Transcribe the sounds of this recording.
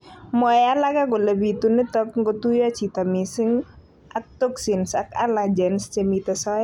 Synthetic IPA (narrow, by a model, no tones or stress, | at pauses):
mɔjalakaɡɔləbit̪unət̪ɔk̚ŋɡɔt̪ujat͡ʃit̪amisiŋ | ʔak̚t̪ɔksinsakalad͡ʒɛnst͡ʃɛmit̪asɔɛ